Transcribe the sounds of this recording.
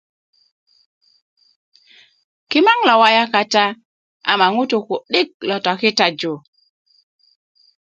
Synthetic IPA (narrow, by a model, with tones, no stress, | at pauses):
kɪ˦ma˦ŋlɔ˨wa˦ja˦ka˦ta˦ | a̰˨ma˨ŋo˦to˨ko˨ɗɪ˦k̚lɔ˨tɔ˨kɪ˦ta˦d͡ʒo˨